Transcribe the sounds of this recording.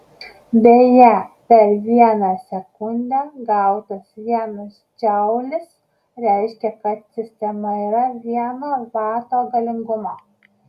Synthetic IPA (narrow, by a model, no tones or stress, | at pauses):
b̪ʲejɛpʲɛɾʋʲiɛnɑːsʲɛkʊnʲd̪ʲæɡɐˑʊt̪ɐsʋʲiɛnʊs | d͡ʒʲɛʊlʲɪs | ɾʲɛˑɪʃʲkʲɛkɐt̪sʲɪsʲt̪ʲɛmɐiːɾɐʋʲiɛnɑʋɑˑɾt̪oːɡɐlʲɪŋɡʊmɑː